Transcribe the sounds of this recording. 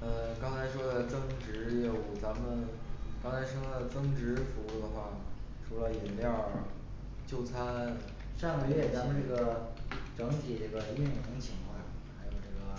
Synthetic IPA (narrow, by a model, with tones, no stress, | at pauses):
ə˥˧kɑ˥ŋt͡sʰa˧˥ɪʂwɔ˥d̪ə˨t͡sɤ˥ŋʈ͡ʂɻ̩˧˥jo˨˩ʊt͡sa˧˥mə˨n | kɑ˥ŋt͡sʰa˧˥ɪʂɤ˥ŋdə˨˩t͡sɤ˥ŋʈ͡ʂɻ̩˧˥fu˧˥u˥˩d̪ə˩xwa˥˩ | ʈ͡ʂʰu˧˥lə˧i˨˩nljɑ˥˩ | t͡ɕjo˥˩ʊt͡sʰa˥n | ʂɑ˥˩ŋɡə˧ɥɛ˥˩t͡sa˧˥mə˨˧nʈ͡ʂɤ˥˩ɡə˩ʈ͡ʂɤ˧˥ŋt̪ʰi˨˩ʈ͡ʂɤ˥˩ɡə˩i˥˩nxʊ˧˥ŋt͡ɕʰi˧˥ŋkʰwɑ˥˩xa˧˥ɪjo˨˩ʊʈ͡ʂɤ˥˩ɡə˩